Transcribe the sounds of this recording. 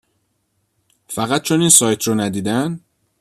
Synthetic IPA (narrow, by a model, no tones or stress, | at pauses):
fæɣæt̪̚t͡ʃʰoniːnsɒːjt̪ʰɾɔnæd̪iːd̪æn